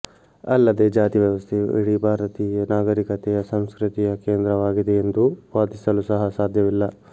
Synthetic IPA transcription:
ɐlːɐd̪ed͡ʒaːt̪iʋjɐʋɐst̪ʰejuḭɽibʱaːɾɐt̪iːjɐnaːɡɐɾikɐt̪ɛjɐsɐmskɾut̪ijɐkeːnd̪ɾɐʋaːɡid̪eend̪uʋaːd̪isɐlusɐɦɐsaːd̪ʱjɐʋilːɐ

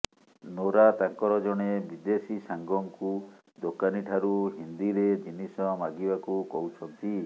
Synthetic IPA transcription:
noɾat̪aŋkɔɾɔd͡ʒɔɽ̃ebid̪esisaŋɡɔŋku | d̪okaniʈʰaɾuɦind̪iɾed͡ʒinisɔmaɡibakukɔɦut͡ʃʰɔnt̪i

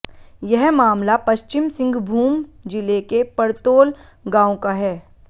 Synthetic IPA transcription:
jɛɦmaːmlapɐʃt͡ʃɪmsɪ̃ŋɡbʱuːmd͡ʒɪlekepɐɾt̪oːl | ɡãːõkaɦɛː

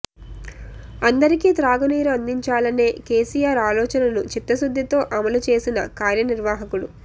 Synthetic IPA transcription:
ɐnd̪ɐɾikiːt̪ɾaːɡɐniːɾɐɐnd̪iɲt͡ʃaːlɐne̞ːke̞ːsijaːɾaːlɔːt͡ʃɐnɐnut͡ʃit̪ːɐsud̪ʱːit̪o̞ːʔɐmɐlut͡ʃe̞ːsinɐkaːɾjɐniɾʋaːɦɐkulṵ

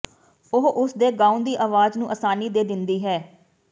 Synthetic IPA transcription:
ʊɦʔʊsd̪eːɡaːũnd̪iːʔaːʋaːznũːʔəsaːniːd̪eːd̪ɪnd̪iːɦɛː

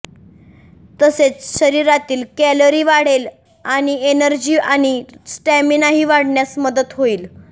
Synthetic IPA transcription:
t̪əset͡sɕəɾiɾat̪iːlkæləɾiːʋaɽ̤el | aɽ̃ienəɾd͡ʑiːaɽ̃isʈɛminaɦiːʋaɽɳjasməd̪ət̪ɦoiːl

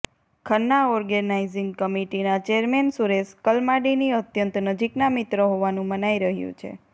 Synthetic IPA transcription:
kʰənːaɔɾɡənaiziŋɡkəmiʈinat͡ʃeəɾmensuɾeskəlmaɖiniət̪jənt̪nəd͡ʒiknamit̪ɾəɦoʋanũmənaiɾəɦjṵ̃t͡ʃʰḛ

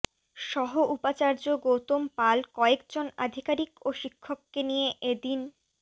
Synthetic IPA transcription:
ʃɔɦoʔupat͡ɕaɾd͡ʑoɡot̪ompalkɔekd͡ʑona̰d̪ʱikaɾikoʃikʰːokːenijeʔed̪in

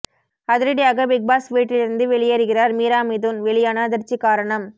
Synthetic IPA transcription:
ɐðɪɾɐɽɪjaːɣɐʋɪɡ̚baːsʋiːʈːɪlɪɾɯnd̪ɯʋɛɭɪjɐɾɯɣɪraːɾmiːɾaːmiðʊnʋɛɭɪjaːnaðɐɾt͡ʃːikaːɾɐɳɐm

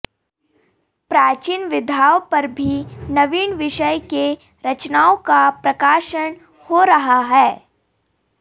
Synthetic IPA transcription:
pɾaːt͡ʃiːnʋɪd̪ʱaːwpɐɾbʱinɐʋiːɳʋɪʃəjke | ɾɐt͡ʃnaːõkapɾɐkaːʃəɽ̃ | hoɾɐɦaɦɛː

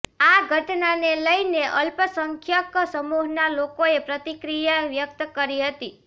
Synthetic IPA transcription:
aɡʱəʈnaneləjneʔəlpəsəŋkʰjəksəmuɦnalokoepɾət̪ikɾijaʋjək̚t̪əkəɾiɦət̪i

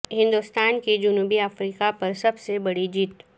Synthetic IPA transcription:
ɦɪ̃nd̪ʊst̪aːnked͡ʒʊnuːbiafɾiːkapɐɾsɐbsebɐɽid͡ʒiːt̪

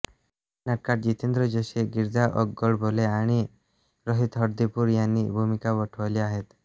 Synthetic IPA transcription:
naʈ̚kaʈ̚d͡ʑit̪end̪ɾəd͡ʑoɕeɡiɾd̪aʔɔɡɡɔɭbʱoleaɽ̃i | ɾəɦit̪ɦəɽd̪ipuɾjanːibʱumikaʋəʈʰʋaliaɦet̪

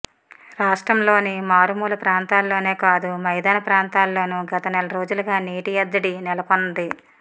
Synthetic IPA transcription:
ɾaːʂʈɾɐmlo̞ːnimaːɾumuːlɐpɾaːnt̪aːlːo̞ːne̞ːkaːd̪umɐjd̪aːnɐpɾaːnt̪aːlːo̞ːnuɡɐt̪ɐnɛlɐɾo̞ːd͡ʒulɐɡaːniːʈijɐd̪ːɐɽinɛlɐkond̪i

